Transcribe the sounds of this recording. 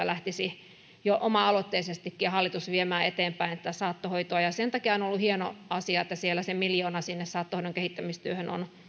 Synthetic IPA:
ælæht̪isi | joʔomɑɑlot̪ːeisest̪ikːiɑhɑlːit̪usʋiemæːet̪eːmpæinet̪ːæsɑːt̪ːohoit̪oɑjɑsent̪ɑkiɑonolːuhieno̰ɑsiɑet̪ːæsielːˑæsemiljoːnɑsinːessɑːt̪ːohoiɾoŋkehit̪ːæmist̪yøhøno̰n

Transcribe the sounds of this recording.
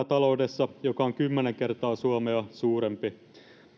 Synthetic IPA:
t̪ɑlo̞udesːɑjokɑoŋkymːeneŋkert̪ɑːsuɑmeɑsuːɾempi

